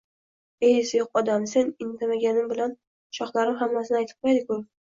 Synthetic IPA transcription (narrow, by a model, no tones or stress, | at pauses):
ejsɪjoqɒd̪amse̞nɪnt̪ʰamaɡʲanɪmbɪlan | ʃɒqlˠaɾɪmɦamːasɪnajt̪ʰɪ̥p̚qʰojd̪ɪkʊ